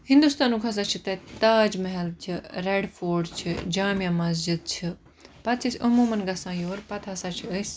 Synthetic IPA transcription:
hĩnd̪ust̪aːnũːkʰɐs̬aːt͡ʃʰit̪ɐt̪aːd͡ʒmɐɦɛlt͡ʃʰiɾeɖfʰoːɾɖt͡ʃʰid͡ʒaːmijãːmɐs̬d͡ʒid̪̚t͡ʃʰi | pɐt̪̚t͡ʃʰisɐmuːmɐnɡɐsãːjoːɾpɐt̪ʰasaːt͡ʃʰiəs

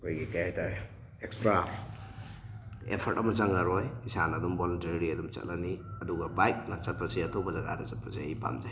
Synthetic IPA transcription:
kʰojɡikajajta | ekspɾa | ḛpʰɐɾtɐmɐt͡ʃɐŋaɾojisanɐdumbolɐnteɾɾiɐdumt͡ʃɐ̰t̚lʔaniɐduɡɐbajk̚nɐt͡ʃɐt̚pʰɐsijɐtʰobɐzɐɡa̰dɐt͡ʃɐt̚pʰɐzaipa̰md͡ʒaj

